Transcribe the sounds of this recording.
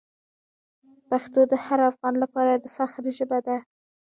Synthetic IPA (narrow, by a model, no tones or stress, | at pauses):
paxt̪od̪əhaɾafɣɑnlapɑɾad̪əfaxɾʒəbad̪a